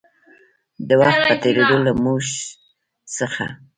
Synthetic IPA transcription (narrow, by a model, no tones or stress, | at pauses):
d̪əwaxt̪̚pət̪eɾed̪olamuʃ | səxa̰